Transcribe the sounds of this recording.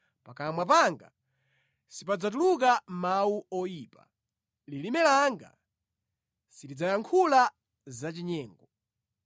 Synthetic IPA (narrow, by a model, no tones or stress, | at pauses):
pakamwap̬aŋɡa̰ | sipad͡zat̬uluk̬amauɔjiːpa̰ | lilimɛlaŋɡa̰ | sidid͡zajaŋkʰula | zat͡ʃiɲɛːŋɡɔ